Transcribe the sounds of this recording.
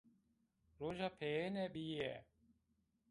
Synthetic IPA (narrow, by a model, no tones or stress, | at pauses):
ɾoːʒaːpʰeːnɛ̃ːɓiːḛː